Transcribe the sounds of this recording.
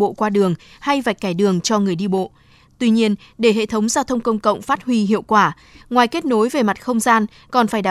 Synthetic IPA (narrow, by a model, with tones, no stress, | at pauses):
o̰˧˨kwaː˧ɗɨ˨˩əŋ | ha˧jva˨˩jk̚kaː˧˩jɗɨ˨˩əŋt͡ɕɔ˧ŋɨ˨˩əjɗi˧ɓo̰˧˨ | t̪wi˧ɲi˧ən | ɗe˧˩ɦḛ˧˨t̪ʰə˨˦wŋ͡mzaː˧wt̪ʰə˧wŋ͡mkə˧wŋ͡mkə̰˧˨wŋ͡mfaː˦˥t̚hwi˧ɦḭ˧˨əwkwaː˧˩ | ŋwaː˨˩jke˦˥t̚no˨˦jve˨˩ma˨˩t̚xə˧wŋ͡mzaː˧n | kɔ˨˩nfaː˧˩jɗaː˨